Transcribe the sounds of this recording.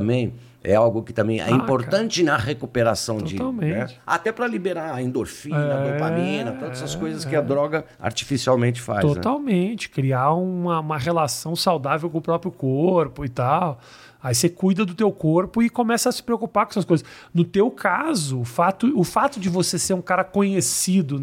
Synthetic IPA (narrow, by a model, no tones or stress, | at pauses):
ɐ̃mbẽj̃ | ɛ̰awɡʊkɪ̥t̪ɐ̃mbẽj̃ɛ̰ĩpoɾt̪ɐ̃nt͡ʃɪnɐhekupeɾasɐ̃w̃t̪d͡ʒoɪt̪awmẽñnɛt͡ʃɪa̰t̪ɛpɾɐlibeɾaɐẽnd̪oɾfĩnɛnɐd̪õamĩnɐt̪õd̪ɛsɐskojzɐskɪad̪ɾɔɡɐ | a̰ɾt͡ʃi̥fisiawmẽnt͡ʃɪ̥fa̰zt̪onɛt̪awmẽt͡ʃɪ̥kɾiaũmɐũmɐʁelasɐ̃w̃sawd̪avewkõʊpɾɔpɾjʊkoɾpʊɪt̪aw | aisekujd̪ɐd̪ʊt̪ewkoɾpʊɪkõmɛsɐɐsɪ̥pɾeokupakõɛsɐs̬kojzɐs | nʊt̪ewkʰazʊːfat̪ʊʊfat̪ʊd͡ʒɪvoseseɾũkaɾɐkõɲesid̪ʊ